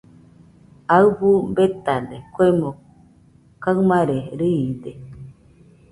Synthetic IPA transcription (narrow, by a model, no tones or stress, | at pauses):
aɯɸumbet̪ad̪ekʷemo | kamaɾeɾiide